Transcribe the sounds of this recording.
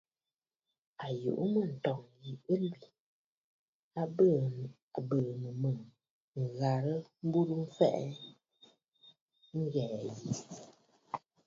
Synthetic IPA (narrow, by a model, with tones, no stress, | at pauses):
a˨jṵ˨ʔu˦mə˨n̩˨tɔ˨ŋji˨ə˦lbi˨ | a˦ə˦ | a˨bə˨mə˨mə˨ŋ | ŋ˨ɣa˨ɾə˦m̩˦bu˦ɾu˦m̩˦fɛ̰˦ʔɛ˦ | ŋ̩˦ɣɛː˨ji˨